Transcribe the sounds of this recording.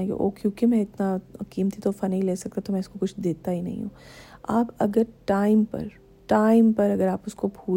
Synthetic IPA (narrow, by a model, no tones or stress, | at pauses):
jḛʔo̰ːkjõːkemɛ̃ɪt̪nakiːmt̪it̪ofɐnɦĩleːsɐk̚t̪at̪omɛ̃ʊskokʊt͡ʃʰd̪eːt̪aɦinɐ̰ɦḭ̃ɦṵ̃ːa̰ːpɐɡəɾʈaːɪmpɐ̰ɾ | ʈaːɪmpɐɾɐɡəɾaːpʊskobʱuː